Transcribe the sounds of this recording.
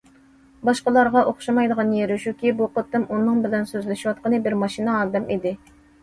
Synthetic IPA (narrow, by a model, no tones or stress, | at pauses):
bɑʃqəlˠɑɾʁɑʔoχʃɑmɑjd̪əʁɑnjeɾuʃukʲibuqot̪ːɨmʔunːɨŋbɪlɛnsøzlɪʃiwɑt̪̚qənɨbɪɾmɑʃinəɑːd̪ɛmid̪ɪ